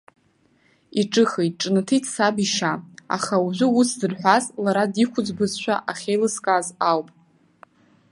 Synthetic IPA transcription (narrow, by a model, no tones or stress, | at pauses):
iʈ͡ʂʼɨχejtʼʈ͡ʂʼnɨtʰitʰsabiʃaa̰χauʒʷʊusdɨrħʷᶣazlaɾadikʷʰʊd͡zbɨzʃʷᶣaʔaχʲejlɨskʼazawpʼ